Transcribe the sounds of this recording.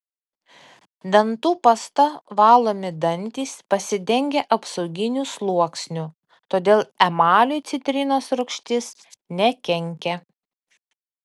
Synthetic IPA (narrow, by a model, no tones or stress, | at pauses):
d̪ɐnˑt̪uːpɐst̪ɐʋɑːlˠoːmʲɪd̪ɐnʲt̪ʲiːspɐsʲɪd̪ʲɛŋʲɡʲɛʔɐpsɔʊɡʲɪnʲuːslˠuɔksʲnʲuː | t̪oːd̪ʲeːlˠɛmɑːlʲojt̪sʲɪt̪ʲɾʲɪnoːsɾʊkʃʲt̪ʲɪs | nʲɛkʲɛŋʲkʲɛ